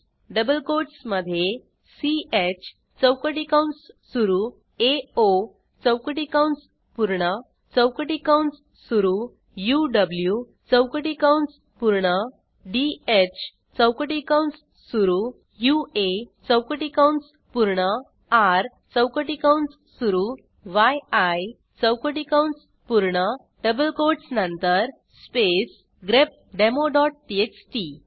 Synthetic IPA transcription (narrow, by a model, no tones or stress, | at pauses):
ɖəbəlkoʈsməd̪ʱje | siet͡ɕʰ | t͡səwkəʈikawɳssuɾu | eo | t͡səwkəʈikawɳs | puɾɳə | t͡səwkəʈikaws | suɾuː | juɖəblju | t͡səwkəʈikawɳs | puɾɳə | ɖiet͡ɕʰ | t͡səwkəʈikawɳs | suɾu | juet͡səwkəʈikawɳs | puɾɳə | aɾ | t͡səwkəʈikawɳs | suɾu | ʋajaj | t͡səwkəʈikawɳs | puɾɳə | ʈəbəlkoʈsnə̃nt̪əɾ | spes | ɡɾep̚ɖemoɖɔʈ̚ʈieksʈi